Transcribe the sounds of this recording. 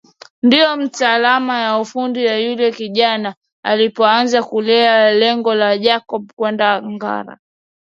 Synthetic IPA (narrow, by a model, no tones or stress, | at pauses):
ndijɔm̩taːlamajaufundiwajulɛkiʄana | alipɔanzakulɛalɛŋɡɔlaʄakɔɓ̚kwɛndaŋɡa̰ɾa̰